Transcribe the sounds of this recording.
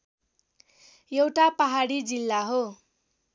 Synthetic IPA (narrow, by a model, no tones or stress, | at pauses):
jewʈapaɦaɽid͡zilːaɦo